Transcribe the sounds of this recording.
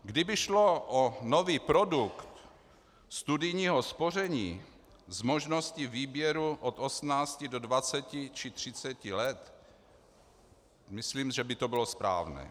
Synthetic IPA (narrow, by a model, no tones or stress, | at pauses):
ɡdɪbɪʃlo̞ʔono̞viːpɾo̞dukt̪ | st̪udɪjɲiːɦo̞spo̞r̝ɛɲiː | zmo̞ʒno̞scɪviːbjɛɾuʔot̪o̞smnaːt͡scɪdo̞dvat͡sɛcɪt͡ʃɪt̪r̥ɪt͡sɛcɪlɛt̪ | mɪsliːmʒɛbɪt̪o̞bɪlo̞spɾa̰ːvnɛ̰ː